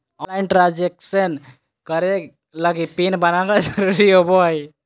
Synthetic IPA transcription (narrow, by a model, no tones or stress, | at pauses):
ɔlajnʈɾad͡ʒeksən | kəɾe | ləɡipinbənakad͡ʒəɾuɾiɦobɔɦəj